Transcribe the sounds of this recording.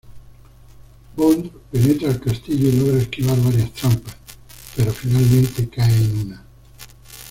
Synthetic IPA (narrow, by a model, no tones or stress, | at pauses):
bond̪penɛt̪ɾalkast̪iʎoinoɡɾask̟ivaɾvaɾjast̪ɾampa | peɾɔfinalment̪ekaeinuna